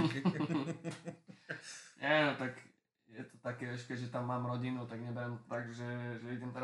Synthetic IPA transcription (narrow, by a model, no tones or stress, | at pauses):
ɲʔɛnot̪ak | jɛt̪o̥t̪akɛɛʃkɛʒɛt̪amːamɾɔɟinut̪aɡɲɛbɛɾɛmt̪aɡʒɛʒɛid͡ʑɛmt̪ɛɾ